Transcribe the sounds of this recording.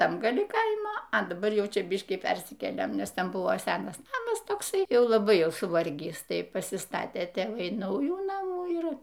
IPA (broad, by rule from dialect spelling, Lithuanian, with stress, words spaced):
ˈtɐm ɡɐˈlʲɪ ˈkɐɪmoː ɐ dɐˈbɐr ˈjɛʊ ˈt͡ʃʲɛ ˈbʲɪʃʲkʲiː ˈpʲɛrʲsʲɪkʲeːlʲeːm ˈnʲɛs ˈtʲɛn ˈbʊʋoː ˈsʲæːnɐs ˈnɑːmɐs toːkˈsɐɪ ˈjɛʊ lˠɐˈbɐɪ ˈjɛʊ sʊˈʋɐrʲɡʲiːs ˈtɐɪ pɐsʲɪˈstɑːtʲeː tʲeːˈʋɐɪ ˈnɐʊjuː ˈnɑːmuː ˈɪr